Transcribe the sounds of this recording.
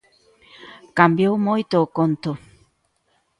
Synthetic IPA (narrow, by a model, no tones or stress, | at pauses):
kambjowmojt̪okont̪o